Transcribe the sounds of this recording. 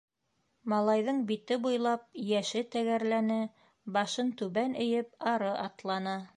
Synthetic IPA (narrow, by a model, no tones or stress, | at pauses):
mɑlˠɑjðɤɴbit̪ɘbujlˠɑp̚jæʃɘt̪æɣæɾlænɘ | bɑʃɤnt̪ʉβænɵ̆jɘp̚ɑɾɤʔɑt̪lˠɑnɑ